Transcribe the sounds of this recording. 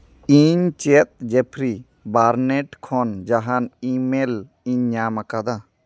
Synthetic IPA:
iɲt͡ʃet̪̚d͡ʒepʰɾi | baɾneʈkʰɔnd͡ʒaɦanimel | iɲɲamakad̪a

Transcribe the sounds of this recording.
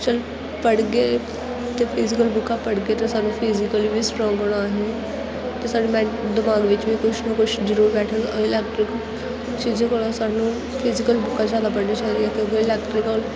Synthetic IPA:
t͡ʃɐl | pɐɽɡe | t̪epʰɪzikəlbʊkːapɐɽɡet̪esaːɖnũpʰizikəlibʱisʈɾɔ̃ːŋɡoɽ̃aːɦe | t̪esaːɽemɛ̃d̪ɪmaːɡʋɪt͡ʃbʱikʊt͡ʃʰnəkʊt͡ʃʰd͡ʒəɾuːɾbɛːʈʰəɾɐɪlɛːkʈɾɪk | ʃid͡ʒekoɽ̃asaːnũ | pʰɪzikəlbʊkːad͡ʒaːd̪apɐɽnet͡ʃaɾiɛk̪ẽɡeɪlɛːkʈɾɪkəl

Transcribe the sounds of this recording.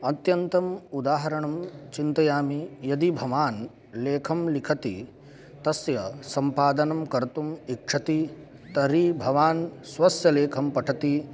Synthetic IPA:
ɐt̪jɐnt̪ɐmud̪aːɦɐɾɐɳɐmt͡ʃint̪ɐjaːmijɐd̪ibʱɐʋaːn | leːkʰɐmlikʰɐt̪ḭ | t̪ɐsjɐsɐmpaːd̪ɐnɐmkɐɾt̪umikʂɐt̪i | t̪ɐɾibʱɐʋaːnsʋɐsjɐleːkʰɐmpɐʈʰɐt̪i

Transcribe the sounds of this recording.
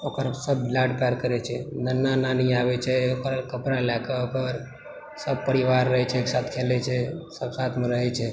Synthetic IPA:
okəɾsəbblaɖpaɾkəɾɛt͡ʃʰɛnənːananiaʋɛt͡ʃʰɛokɾakəpɾalakaokəɾ | səb̚pəɾiʋaɾːəɦɛt͡ʃʰɛːksat̪ʰkʰelɛt͡ʃʰɛsəbsat̪ʰmeɾəɦɛt͡ʃʰɛ

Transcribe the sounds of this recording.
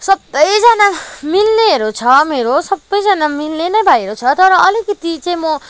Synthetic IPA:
sʌbːʌjd͡zanamilneɦeɾot͡sʰʌmeɾosʌbːʌjd͡zanamilnenʌjbʱaieɾot͡sʰʌt̪ʌɾʌʌlikʌt̪it͡sʌj̃mʌ

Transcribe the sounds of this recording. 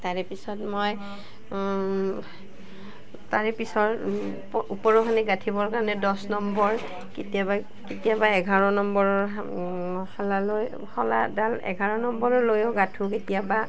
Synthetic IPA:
taɹɛpisɔtmoj | taɹɛpisɔɹ | upɔɹɔkʰanɛɡatʰibɔɹkaɹɔnɛdɔsnɔmbɔɹ | ketiaba | ketijabaɛɡʱaɹɔnɔmbɔɹɔɹ | halaloj | hɔla̰dalɛ̰ɡʱaɹɔnɔmbɔɹɔɹlojɔɡatʰũketijaba

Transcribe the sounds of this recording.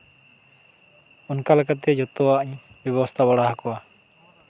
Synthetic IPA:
ɔnkalakat̪̬ɛd͡ʒɔt̪ɔwaʔɲ | bjɛbɔst̪ʰabaɽaɦakɔa

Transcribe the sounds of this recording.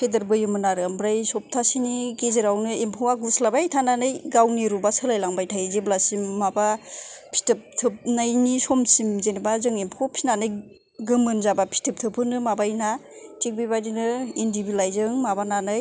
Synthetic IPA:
kʰedɯɾbɯjɯmɯnaɾɯmbɾajsɔp̚tʰasiniɡezɯɾawnɯempʰowaɡuslabajtʰananɯjɡawniɾubasɯlajlaŋbajtʰajzeblasimːabapʰi̥tɯp̚tʰɯp̚najnisɔmsimzenibazɯŋempʰɔpʰinanɯj | ɡɯmɯnzabapʰi̥tʰɯp̚tʰɯpʰɯnɯmabajnatik̚bibadinɯindibilajzɯŋmabananɯj

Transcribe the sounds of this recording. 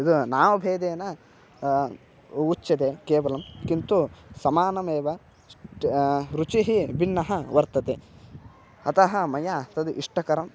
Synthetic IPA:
id̪unaːʋɐbʱeːd̪eːnɐ | ut͡ʃːɐd̪ekeːʋɐlɐmkint̪usɐmaːnɐmeːʋɐ | ɾut͡ʃiɦibinːɐɦɐʋɐɾt̪ɐt̪e | ɐ̰t̪ɐɦɐmɐjat̪ɐd̪uʔiʂʈɐkɐɾɐm

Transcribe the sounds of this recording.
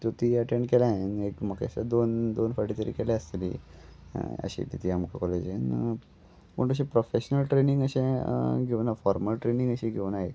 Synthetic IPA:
t̪ot̪iəʈẽɳɖkelãɦenekməkḛsad̪ond̪onfəɾʈit̪əɾḭːkeleəst̪lḭ | ə̰ɕḭt̪it̪ʰiamkakɔled͡ʑen | pəɳʈ̪əɕ̬ẽpɾofeɕnəlʈɾenĩŋɡəɕẽɡʱeʋnafɔɾməlʈɾenĩŋɡəɕẽɡʱewnaɦe

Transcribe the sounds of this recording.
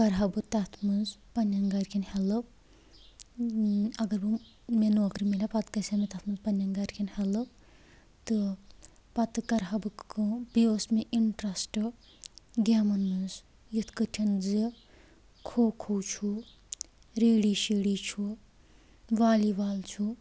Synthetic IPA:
kɐɾɦɐbɨt̪ɐt̪ʰmɨnzpɐnʲɐŋɡɐɾʲkʲʰinhɛlɨb | ɐɡɐɾbɨ | menoːkɾimelʲɐpɐt̪kɐsʲɐmet̪ɐt̪ʰmɨnzpɐnʲːɐnɡɐɾkʰʲinhɛlɨb | t̪ɨ | pɐt̪ɨkɐɾɦɐbɨkɨbiosmeʔiɳʈɾɐsʈɨ | ɡaːmɐnːɨz | jɨt̪ʰkɨʈʲʰinzi | kʰoːkʰowt͡ʃʰu | ɾeːɽiʃiːɽit͡ʃʰu | ʋaːliʋaːlt͡ʃʰu

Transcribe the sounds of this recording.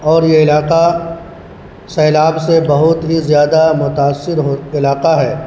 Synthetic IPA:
ɔːɾjeɪlaːqa | sɛːlaːbsebɐɦʊt̪ɦizjaːd̪amʊt̪aːsːɪɾɦoɪlaːqaɦɛː

